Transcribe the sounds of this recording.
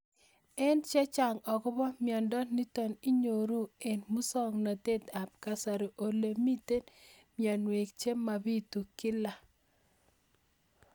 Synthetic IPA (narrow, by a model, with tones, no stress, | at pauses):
ɛ˦nt͡ʃɛ˦t͡ʃa˨ŋɔ˨kɔ˦bɔ˦mjɔ˨ndɔ˦ni˦tɔ˨ni˦ɲo˨ɾu˦e˨nmu˦sɔ˦ŋna˨t̪e˦t̪a˨p̚ka˨sa˨ɾo˨ʔo˨le˨mi˦te˦n | mja˨nwe˨k̚t͡ʃe˦mːa˨bi˦t̪u˨kɪ˦la˨